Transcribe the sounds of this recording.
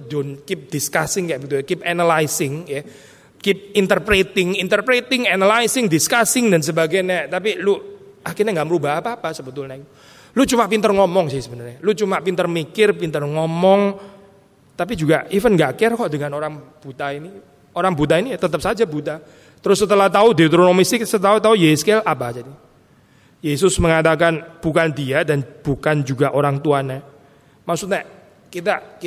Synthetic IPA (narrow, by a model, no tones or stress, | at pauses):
dɔnkɪp̚d̥iskasɪŋkajaʔbət̪ukipanalajsɪŋja | kɪp̚int̪ərpɾet̪ɪŋint̪ərpɾet̪ɪŋanalajsɪŋdiskasɪŋdans̬əbaɡajnɛʔt̪apiluahkinaŋɡaʔməɾubaɦapaːpasəbət̪ʊlnakiu | lut͡ʃumapint̪ərŋɔmɔŋsɪhsəbənərɲalut͡ʃumapint̪ərmikɪrpint̪ərŋɔmɔŋ | t̪ap̬id͡ʒuɡaʔifənŋɡaʔkɪrkɔʔdəŋanoɾaŋb̥ut̪aini | oɾaŋbut̪ainiat̪ət̪əp̚sad͡ʒabut̪a | t̪əɾʊsːət̪əlaht̪audet̪ɾonomist̪ɪksət̪aut̪aujeskelʔapad͡ʒadi | jesʊsməŋat̪akanb̥ukandiadanb̥ukand͡ʒuɡaʔoɾaŋt̪uana | maksut̪̚ɲɛʔ | kit̪ak